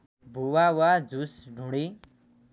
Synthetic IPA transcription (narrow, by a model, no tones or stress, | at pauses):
bʱuwawad͡zusɖʱuɽ̃i